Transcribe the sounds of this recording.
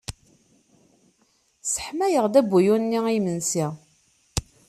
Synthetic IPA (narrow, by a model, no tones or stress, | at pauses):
sə̥ħmæjəʁd̪æbːujunːiimənsi